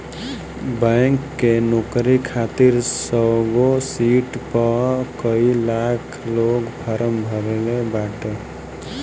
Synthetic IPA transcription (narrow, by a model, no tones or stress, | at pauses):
bəŋkːenokɾikʰat̪iɾsəɡosiʈpəkəilakʰlokpʰəɾəmbʱəɾelebaʈe